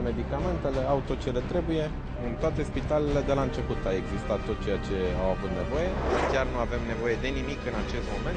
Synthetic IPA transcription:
me̞d̪ikame̞nt̪e̞le̞aut̪ot͡ʃe̞le̞t̪ɾe̞buje̞ | ɨnt̪oat̪e̞spit̪alele̞d̪e̞laɨnt͡ʃe̞put̪awe̞ɡzist̪at̪ːo̞t̪̚t͡ʃe̞jat͡ʃe̞awavut̪ne̞vo̞je̞kʲarnuave̞mne̞vo̞je̞d̪e̞nimikɨnat͡ʃe̞st̪mo̞me̞nt̪

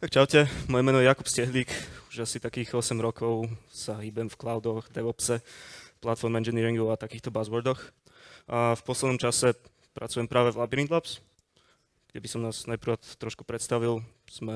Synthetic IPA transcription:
t̪akt͡ʃaʊcɛmɔjɛmɛːnɔjakupscɛɦliːkuʒasit̪akiːɣɔsɛmɾɔkɔʊsaɦiːbɛmfklaʊd̪ɔɣd̪ɛʋɔpsɛplat̪fɔɾmɛnd͡ʒɛniːɾiŋɡuat̪akiːxt̪ɔbazʋɔɾd̪ɔx | afpɔslɛd̪nɔmt͡ʃasɛ | pɾʔa̰t͡sujɛmpɾaːʋɛvlabiɾind̪laps | ɡ̥ɟɛbisɔmnaːznapɾat̪ːɾɔʃku̥pɾɛt̪st̪aʋil | z̥mɛ

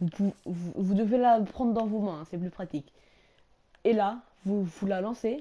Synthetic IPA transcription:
vupuvuvud̪əvelapχɑ̃d̪ʁd̪ɑ̃vomɛ̃sɛp̬lypχat̪ik | ela | vuvulalɑ̃se

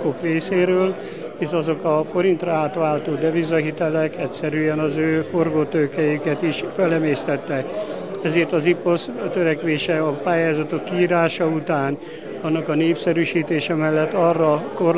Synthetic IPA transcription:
kokreːseːɾøːl | eːʃɒzo̞kɒfo̞ɾint̪rɒaːt̪ʋaːlt̪oːd̪ɛvizɒɦit̪ɛlɛkɛcsɛɾyːɛnɒzøːforɡoːt̪øːkɛjikɛt̪iʃfɛlɛmeːst̪ɛt̪ːɛk | ɛzeːrt̪ɒzipost̪øɾɛkʋeːʃɛɒpaːjaːzɒt̪o̞kːiːɾaːʃɒut̪aːn | ɒnːɒkɒneːpsɛɾyʃiːt̪eːʃɛmɛlːɛt̪ːɒrːɒko̞r

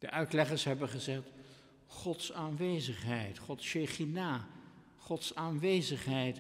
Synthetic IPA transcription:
d̥ə̰ʔœɥtlɛχəɹsɦɛbəχəzɛχt | χɔtsaːnʋejzəχɦɛjtχɔtsʃeχinaː | χɔtsaːnʋejzəχɦɛjt

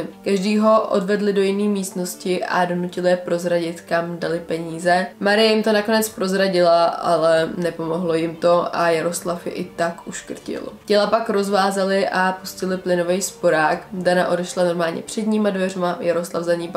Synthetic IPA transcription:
kaʒdiːɦo̞ʔʔo̰dvɛdlɪdo̞jɪniːmiːst̪no̞scɪʔa̰do̞nucɪlɪjɛpɾo̞zɾaɟɪt̪kamdalɪpɛɲiːzɛmaɾɪjɛjɪmt̪o̞nako̞nɛt͡spɾo̞zɾaɟɪlaʔa̰lɛnɛpo̞mo̞ɦlo̞jɪmt̪o̞ʔajaɾo̞slafjɛ̰ʔɪt̪akʔuʃkr̩cɪ̰lcɛlapakɾo̞zvaːzalɪʔapuscɪlɪplɪno̞vɛjspo̞ɾaːkdanaʔo̞dɛʃlano̞ɾmaːlɲɛ̰pr̝̥ɛdɲiːmadvɛrmajaɾo̞slafzaɲiːp

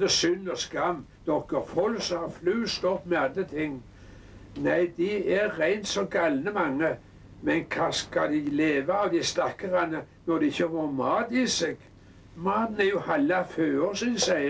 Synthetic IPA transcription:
d̪əsʏnːɔskamːd̪̥ɔkːəɾfɔlsɔhɑflʉːst̪ɔpːmɛand̪ɾət̪ʰɪŋː | næɪd̪ɪɛːæɪnt̪sɔɡalnəmɑŋːə | mɛnkʰɑskad̪ɪleːʋaːʋd̪ɪst̪ɑkːəʁɑnə | nɔd̪ɛɪçəʋomɑːd̪ɪseɡ̥ | mɑːd̪næɾjʊhɑlːɑføːosɪnsæɪ

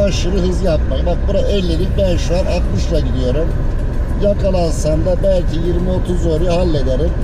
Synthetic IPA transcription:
aʃɯɾɯɦɯzjap̚majbak̚buɾaʔɛlʲːeɾikbænʃuanak̪mɯʃlˠaɟid̪ijo̞ɾum | jakʰalˠansand̪abælʲcʰijiɾmio̞t̪ʰuzo̞ɾujahalʲːe̞d̪eɾim

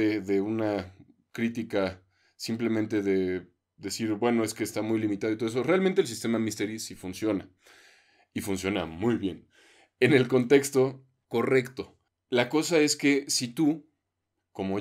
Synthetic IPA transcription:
eðe̞una | kɾit̪ika | simple̞mẽnt̪e̞ðe̞ | d̪e̞siɾbwe̞no̞e̞ske̞ːst̪amujlimit̪aðt̪oeso̞realmẽ̞nt̪els̬ist̪e̞mamist̪eɾisifunsjo̞na̰ | ifunsjo̞na̰mujβje̞n | ene̞lko̞nt̪e̞kst̪o̞ | ko̞re̞kt̪o̞ | lako̞sae̞ske̞sit̪u | ko̞mo̞

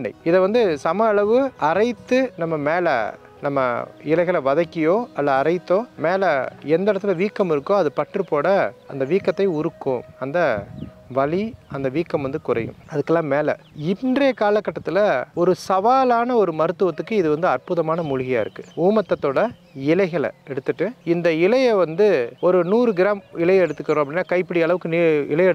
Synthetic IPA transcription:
nɖɐɪɪðɐʋɐnd̪ɯsɐmɐːɭɐʋɯɐɾɐɪt̪ːɯnɐmːɐmeːlɐ̰ | nɐmːɐ̰ɪlɐɪɣɐlʋɐðɐkːɪjoːɐlːɐɐɾɐɪt̪ːoːmeːlɐɛnd̪ɐɽɐt̪ːɯlɐʋiːkːɐmɪɾɯkːõɐðɯpɐʈrɯpːoːɽɐɐnd̪ɐʋiːkːɐt̪ːɐɪʊɾɯkːʊ̃ɐnd̪ɐ | ʋɐɭiɐnd̪ɐʋiːkːɐmʋɐnd̪ɯkʊrɐ̰jɯ̰̃mɐðɯkːɐlːãːmeːlɐ̰ɪndreːkaːlɐkːɐʈːɐt̪ːɪlɐɔɾɯsɐʋaːlaːnɐɔɾɯmɐɾɯt̪ːɯʋɐt̪ːɯkːɯɪðɯʋɐnd̪ɯɐrpʊðɐmaːnɐmʊɻɪɣɪja̰ːɪ̰ɾɯkːɯ̥uːmɐt̪ːɐt̪ːoːɽɐ | ɪlɐɪɣɐɭɐ̰ɛɽɯt̪ːɯʈːɯɪnd̪ɐɪlɐjɐʋɐnd̪ɯɔɾɯnuːɾɯɡɪɾaːmɪlɐjɐɛɽɯt̪ːɯkːɾõɐpɐɽɪnːaːkɐɪpːɪɽɪjɐɭɐʋɯkːɯniɪlɐjɛɽɯ

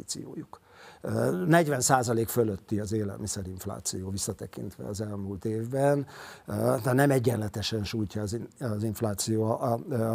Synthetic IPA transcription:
t̪sḭjo̰ːjuk | nɛɟʋɛnsaːzɒleːkføløt̪ːiɒzeːlɛ̰lmisɛɾiɱfla̰ːt̪sijoːvisːɒt̪ɛkḭnt̪ʋɛ̰ɒzɛlmult̪eːvbɛn | t̪anɛmɛɟːɛnlɛt̪ɛʃɛnʃuːjcɒːziziɱflaːt̪sijoː

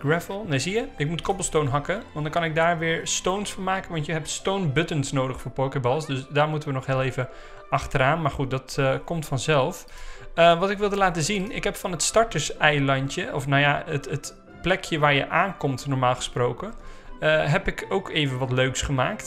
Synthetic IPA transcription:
ɡɹɛfəlˠnejzijəɪkmutkɔbəlˠstownɦɑkəʋɑntdɑnkɑnɪk̚daːɹʋɪːɹstownsfɑnmaːkənʋɑntjəɦɛp̚tstownbɵtənsnowdəχfʊːɹpoːkəbɔlˠsdøsdaːɹmutəʋənɔχɦɪːlˠejvə | ʔɑχtəɾaːnmaːɹχut̚dɑtəkɔmtfɑnzɛlˠfəʋɑtɪkʋɪlˠdəlaːtəzinɪ̰kɦɛpfɑnɦətstɑɹtəɹsɛjlɑjntjəʔɔfnawjaətət | plɛkʰjəʋaːɹjə̰ʔaːnkɔmtnɔɹmaːlˠχə̥sprowkənəɦɛpɪkowkʰejvənʋɑtløɥksχəma̰ːkt

